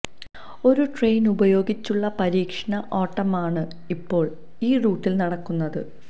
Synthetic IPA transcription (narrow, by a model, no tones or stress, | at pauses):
o̞ɾuʈrejnubɐjo̞ːɡit͡ɕːuɭːɐpɐɾiːkʂɐɳɐʔoːʈːɐmaːɳɨ | ipːo̞ːɭ | iːruːʈːilnɐɽɐkːunːɐðɨ̰